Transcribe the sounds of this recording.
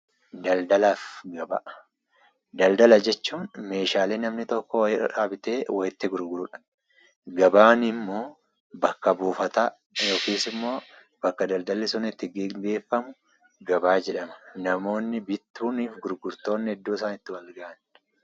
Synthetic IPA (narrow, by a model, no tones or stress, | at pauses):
d̪ɐld̪ɐlaːfɡɐbɐ̰ʔ | d̪ɐld̪ɐlɐd͡ʒɛt͡ʃːuːnme̞ːʃaːleːnɐmnɪt̪ɔkːɔwɪ̰ᶑaːbɪt̪e̞ːwɐjɪt̪ːɪɡʊɾɡʊɾʊᶑɐ̥ | ɡɐbaːnɪmːo̞ː | bɐkːɐbuːfɐt̪aː | jo̞ːkiːsɪmːo̞ː | b̥ɐkːɐd̪ɐld̪ɐlːɛsʊnɛt̪ːɪɡeɡe̞ːfːɐmʊ | ɡɐbaːd͡ʒɛᶑɐmɐ̥nɐmo̞ːnːɪbɪt̪ːuːniːfɡʊɾɡʊɾt̪o̞ːnːɪɛd̪ːoːɪsaːnɪt̪ːɪwɐlɡɐʔɐn